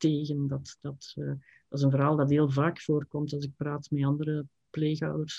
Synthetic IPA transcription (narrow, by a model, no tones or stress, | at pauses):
teːɣəndɑtd̥ɑtː | d̥ɑszənvəɾɦaːlˠdɑtɦeːlˠvaːkfoːrkɔmtɑlˠzɪk̚praːtmɛɑndəɾə | pleːxɑ̰wdərs